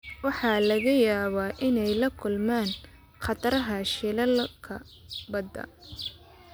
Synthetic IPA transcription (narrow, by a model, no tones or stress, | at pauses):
wɑħɑlɐɣɐjaːβaːʔɪnɛjlɐkʰʊlmaːn | qɑt̪ɐɾɐɦɐʃɪlɐlkʰɐ̰ | bɐd̪ɐ̰